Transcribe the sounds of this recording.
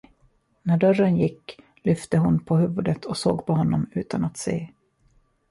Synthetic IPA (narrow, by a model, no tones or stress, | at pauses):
næɖœrːənjɪkː | lʏft̪əɦʊnpʰɔhʉ̟ːvɵd̪ət̪ʰɔso̰ːɡpʰɔɦɔnːɔmʉ̟ːt̪anat̪sḛː